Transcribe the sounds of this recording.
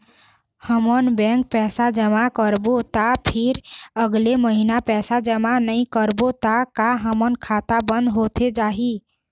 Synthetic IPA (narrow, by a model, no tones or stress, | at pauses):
həmənbɛ̃ŋk̚pɛsad͡ʒəmakəɾbot̪apʰiɾəɡleməɦinapɛsad͡ʒəmanəĩkəɾbot̪akaɦəmənkʰat̪abənd̪ɦot̪ʰed͡ʒaɦi